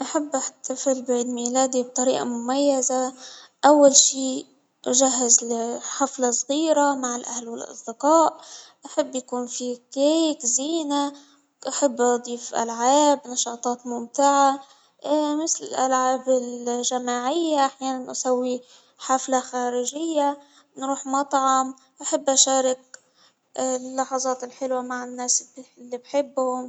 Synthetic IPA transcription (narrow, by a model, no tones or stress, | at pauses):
ʔaħabːʔaħt̪ʰːafɪlbaiːd̪miːlaːd̪ib̚t̪ˤɑɾḭːʔɑ̰mʊmajːazaʔawːalʃiː | ʒaɦːazħaflasˤɣiːɾamaʕɪlʔahlwɪlʔɑ̰sˤd̪ɪqɑːʔʔaħabːjakuːnfikejkziːna | ʔaħabːʔɑd̪ˤiːfʔa̰lʕaːbnɑʃɑːt̪ˤɑːt̪mʊmt̪ɪʕa | mɪθlɪlʔalʕaːbɪlʒamaːʕɪjːaʔaħjaːnanʔasawːi | ħaflaxaːɾɪʒɪjːa | nɾuːħmɑt̪ˤʕɑm | ʔaħɪbːʔaʃaːɾɪk̚ | lːɑħɑzˤɑːt̪ɪlħɪlwamaʕɪnːaːslːibħɪbːhʊm